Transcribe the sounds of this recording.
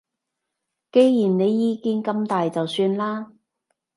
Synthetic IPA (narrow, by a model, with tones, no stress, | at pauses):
ke˨˧jjiː˨˩nne˨˧jːiː˧kiː˧˥nkɐ˨˧mt̪aː˨jt͡sɐ˨wsyː˧nlaː˥